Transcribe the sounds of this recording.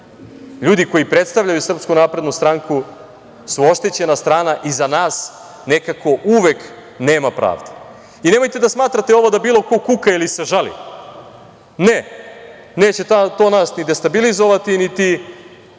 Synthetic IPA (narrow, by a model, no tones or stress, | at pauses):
ʎuːd̪iko̞jipɾe̞t̪st̪aʋʎajusr̩pskunaːpɾe̞d̪nust̪ɾaŋku | suo̞ʃt̪e̞t͡ɕe̞nast̪ɾaːnaʔizanaːs | ne̞kako̞ʔuʋe̞k | ne̞ːmapɾa̰ːʋd̪e̥ | ine̞mo̞jt̪e̞d̪asmaːt̪ɾat̪eo̞ʋo̞d̪abiːlˠo̞ko̞kukailiseʒalḭ | ne | ne̞ːt͡ɕet̪at̪o̞ːnasnid̪e̞st̪abilizo̞ʋat̪init̪i